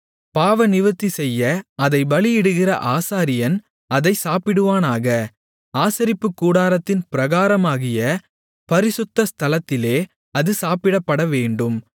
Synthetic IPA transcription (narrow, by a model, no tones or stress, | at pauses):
paːʋɐnɪʋɐt̪ːisɛjːɐɐðɐɪʋɐɭɪjɪɽɯɣɪrɐ̰ʔaːsaːɾɪjɐn | ɐðɐɪsaːpɪɽɯʋaːnaːɣɐ | aːsɐɾɪpːɯkːuːɽaːɾɐt̪ːɪnpɪɾɐɣaːɾɐmaːɣɪjɐ | pɐɾɪsʊt̪ːɐst̪ʰɐlɐt̪ːɪleː | ɐðɯsaːpɪɽɐpːɐɽɐʋeːɳɖɯm